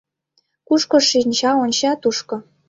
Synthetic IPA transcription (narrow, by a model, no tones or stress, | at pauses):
kuʃkŏʃinʲt͡ɕɑonʲt͡ɕɑt̪uʃkŏ